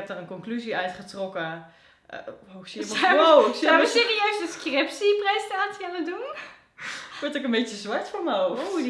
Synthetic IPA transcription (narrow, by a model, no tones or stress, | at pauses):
ɛp̚dərənkɔnklyziœɥtχətrɔkə̰ | owxsiəsosaəseːriœɥstəskrɪpsiprɛjstaːtianədun | ʋɔɹtɪkənbecəzʋaɹtfoɹməo